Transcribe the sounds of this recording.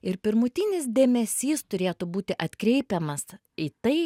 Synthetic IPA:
ɪɾpʲɪɾmʊt̪ʲinʲɪsd̪ʲeːmʲɛsʲiːst̪ʊɾʲeːt̪ʊbuːt̪ʲɪʔɐt̪ʲkɾʲɛɪpʲɛmɐs | iːt̪ɐɪ

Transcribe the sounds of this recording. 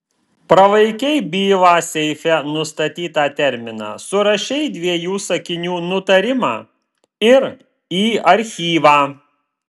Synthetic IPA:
pɾɐʋɐɪkʲɛɪbʲiːʋɑːsʲɛɪfʲɛnʊst̪ɐt̪ʲiːt̪ɑːt̪ʲɛɾʲmʲɪnɑ̰ːsʊɾɐʃʲɛɪd̪ʲʋʲiɛjuːsɐkʲɪnʲuːnʊt̪ɐɾʲɪmɑ̰ː | ɪɾ | iːɐɾʲxʲiːʋɑː

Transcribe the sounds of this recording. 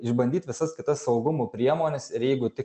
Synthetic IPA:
ɪʒbɐnd̪ʲiːt̪ʲʋʲɪsɐskʲɪt̪ɐsːɐʊɡʊmuːpʲɾʲiɛmoːnʲɛsɪɾjɛɪɡʊt̪ʲɪk

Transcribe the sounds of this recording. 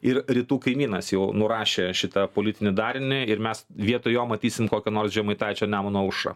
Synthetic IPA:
ɪɾɾʲiːt̪uːkɐɪmʲiːnɐsjɛʊnʊɾɑːʃʲeːʃʲɪt̪ɐpoːlʲɪt̪ʲɪnʲɪd̪ɑːɾʲɪnʲɪɪɾmʲɛsʋʲiɛt̪ojoːmɐt̪ʲiːsʲɪmkoːkʲɛnoːrsʒʲɛmɐɪt̪ɑːt͡ʃʲɛːnʲæːmonuɔʊʃɐ̰

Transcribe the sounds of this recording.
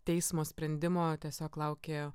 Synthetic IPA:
t̪ʲɛɪsmoːsʲpʲɾʲɛnʲd̪ʲɪmoːt̪ʲiɛsʲoːklˠɐʊkʲeː

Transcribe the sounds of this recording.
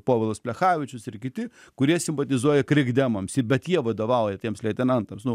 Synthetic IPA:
poːʋʲɪlˠɐspʲlʲɛxɑːʋʲɪt͡ʃʲʊsɪɾkʲɪtʲɪ | kʊɾʲiɛsʲɪmpɐt̪ʲɪzuɔjɛkɾʲɪɡd̪ʲɛmɐmsɪbʲɛt̪jiɛʋɐd̪oːʋɐʊjɛt̪ʲiɛmslʲɛɪt̪ʲɛnɐnt̪ɐmsnʊ

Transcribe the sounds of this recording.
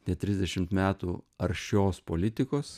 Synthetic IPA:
t̪ʲɛt̪ʲɾʲɪzd̪ʲɛʃʲɪmt̪mʲæːt̪uːɐɾʲʃʲoːspoːlʲɪt̪ʲɪkoːs

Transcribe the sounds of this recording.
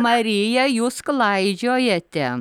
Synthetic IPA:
mɐɾʲɪjɛjuːsklˠɐɪd͡ʒʲoːjɛt̪ʲɛ

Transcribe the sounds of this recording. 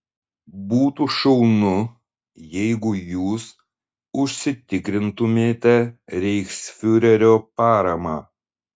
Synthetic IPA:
buːt̪uʃɐʊnʊ | jɛɪɡʊjuːs | ʊʃʲsʲɪt̪ʲɪkɾʲɪnt̪ʊmʲeːt̪ʲɛɾʲɛɪksfʲʊɾʲɛɾʲoːpɑːɾɐmɑː

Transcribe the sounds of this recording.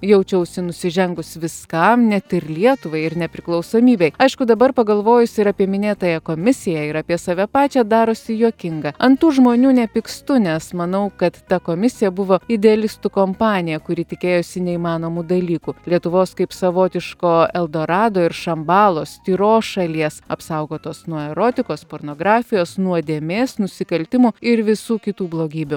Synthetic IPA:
jɛʊt͡ʃʲɛʊsʲɪnʊsʲɪʒʲɛŋɡʊsʋʲɪskɐmnʲɛt̪ɪɾlʲiɛt̪ʊʋɐɪɪɾnʲɛpʲɾʲɪklˠɐʊsoːmʲiːbʲɛɪɐɪʃkʊd̪ɐbɐɾpɐɡɐlˠʋoːjʊsʲɪɾɑːpʲiɛmʲɪnʲeːt̪ɐjɛkoːmʲɪsʲɪjɛɪɾɑːpʲiɛsɑːʋʲɛpɑːt͡ʃʲɛːd̪ɑːɾosʲɪjoːkʲɪŋɡɐɐnt̪uːʒmoːnʲuːnʲɛpʲɪkst̪ʊnʲɛsmɐnɐʊkɐt̪ːɐkoːmʲɪsʲɪjɛbʊʋoːɪd̪ʲɛɐlʲɪst̪ʊkoːmpɑːnʲɪjɛkʊɾʲɪt̪ʲɪkʲeːjosʲɪnʲɛimɑːnoːmud̪ɐlʲiːkulʲiɛt̪ʊʋoːskɐɪpsɐʋoːt̪ʲɪʃkoːɛlˠd̪oːɾɑːd̪oːɪɾʃɐmbɑːlˠoːsʲt̪ʲiːɾoːsʃɐlʲiɛsɐpsɐʊɡoːt̪oːsnuɔɛɾoːt̪ʲɪkoːspoːɾnoːɡɾɑːfʲɪjoːsnuɔd̪ʲeːmʲeːsnʊsʲɪkɐlʲt̪ʲɪmʊɪɾʋʲɪsuːkʲɪt̪uːblˠoːɡʲiːbʲʊ

